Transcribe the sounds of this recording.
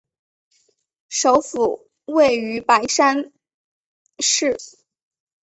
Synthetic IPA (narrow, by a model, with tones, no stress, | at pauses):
ʂo˧˥ʊfu˨˩ | we˥˩ɪy˧˥pa˧˥ɪʂa˥n | ʂɻ̩˥˩